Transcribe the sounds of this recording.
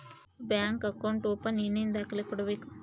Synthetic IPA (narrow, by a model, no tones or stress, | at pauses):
bjaːŋkɐkɐwɳʈoːpɐninind̪akɐlekuɽɐʋiku